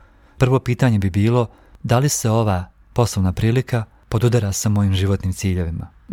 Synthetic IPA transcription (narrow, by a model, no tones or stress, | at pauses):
pr̩ʋo̞piːt̪aɲe̞bibiːlˠo̞ | d̪alise̞o̞ʋaː | po̞slˠoʋnapɾiːlika | po̞d̪ud̪aɾasamo̞jiːmʒiʋo̞t̪niːmt̪siːʎe̞ʋima̰